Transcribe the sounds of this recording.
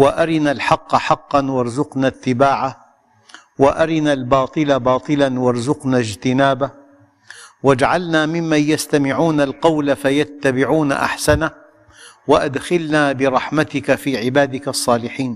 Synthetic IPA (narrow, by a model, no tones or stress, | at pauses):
waʔaɾɪnalħɑqːɑħɑqːɑnwɑɾˤzʊqnat̪ːɪbaːʕa | waʔaɾɪnalbɑːt̪ˤɨlabɑːt̪ˤɨlanwɑɾˤzʊqnad͡ʒt̪ɪnaːba | wad͡ʒaʕalnaːmɪmːanjast̪amɪʕuːnalqɑwlafajat̪ːabɪʕuːna̰ʔa̰ħsana | waʔad̪xalnaːbɪɾˤɑħmat̪ɪkafiːʕɪbaːd̪ɪkasˤːɑːlɪħiːn